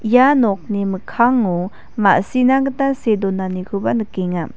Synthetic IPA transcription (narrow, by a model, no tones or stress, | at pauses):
ijanɔk̚niməkʰaŋu | ma̰ʔsinaɡətasedɔnanikʰubanɯkiŋa